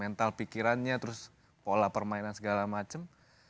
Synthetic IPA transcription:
mɛnt̪alpikiɾanɲat̪əɾʊs | polapərmainansəɡalamat͡ʃəm

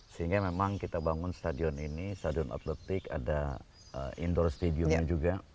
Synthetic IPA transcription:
səɦiŋɡamemaŋkit̪abaŋʊnst̪adiɔninist̪adiɔna̰t̪lɛt̪ɪka̰da | əʔḭndɔrst̪ediɔmɲad͡ʒuɡa

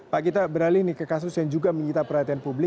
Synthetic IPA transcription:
pakit̪abəɾalɪhnikəkas̬ʊsjaŋd͡ʒuɡaməɲit̪apəɾɦat̪ianpublɪ

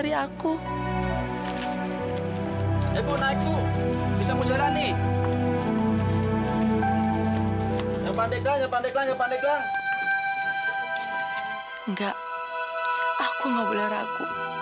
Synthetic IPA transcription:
ɾiaku | ɛkunait͡ʃubisamud͡ʒalani | ŋɡapandɛklaŋɡapandɛklaŋɡapandɛklaŋ | ŋɡaʔ | akuŋɡabəlaɾa̰ku

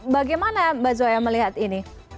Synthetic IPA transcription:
baɡajmanabad͡ʒuajaməliɦat̪ini

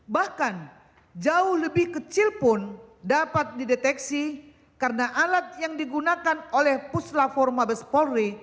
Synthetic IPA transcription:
bahkan | d͡ʒaʊhləbɪhkət͡ʃilpʊndapat̪̚didet̪ɛksi | karənaʔalat̪̚jaŋdiɡunakanolɛhpuslafɔrmabəspɔri

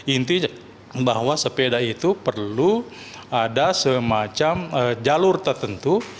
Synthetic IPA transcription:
int̪i | baɦwasəpedait̪upərlu | adasəmat͡ʃaməd͡ʒalʊrt̪ərt̪ənt̪u

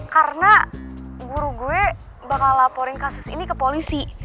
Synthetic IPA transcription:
karəna | ɡuɾuɡuɛ | bakallapoɾɪnkasʊsḭnikəpolisi

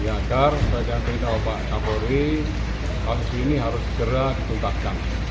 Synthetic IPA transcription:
jaɡarəbad͡ʒant̪iŋt̪aopaʔt͡ʃapoɾi | kasusiniɦaɾʊsːə̥ɡəɾadit̪unt̪atkan

